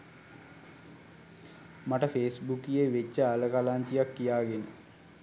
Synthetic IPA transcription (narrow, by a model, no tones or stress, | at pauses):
maʈəfeːsbukijeʋet͡ʃːəaləkalaɲt͡ʃijakːijaːɡenə